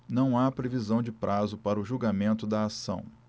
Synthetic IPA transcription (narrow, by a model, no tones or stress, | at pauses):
nɐ̃w̃apɾevizɐ̃w̃d͡ʒɪpɾʔazʊpaɾɐʊʒuɡamẽnt̪ʊd̪ɐːsɐ̰̃w̃